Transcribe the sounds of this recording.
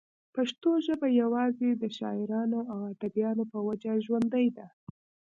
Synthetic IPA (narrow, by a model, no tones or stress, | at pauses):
paʃt̪oʒəbajawɑzed̪əʃɑ̰ɪɾɑnoawad̪abjɑnopəwad͡ʒaʒwand̪əjd̪a